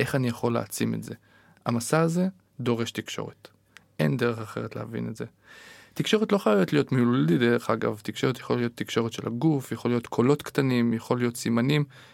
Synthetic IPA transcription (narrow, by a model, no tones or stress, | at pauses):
ʔe̞χanijaχo̞lḛat͡sime̞̰tze̞̰ | a̰masaːze̞ | d̪o̞ʁe̞ʃtikʃo̞̰ʁet | ʔe̞̰ndeʁeχaχe̞ʁetlehavḭnetze̞ | tikʃo̞ʁetlo̞χajavetlijo̞tmiluldideʁeχaɡa̰vt̪ikʃoʁet̪jḁχollijo̞t̪ːikʃo̞ʁet̪ʃelaɡufjaχo̞lijo̞t̪kʰo̞lo̞tkt̪animjaχo̞lijo̞tsimanim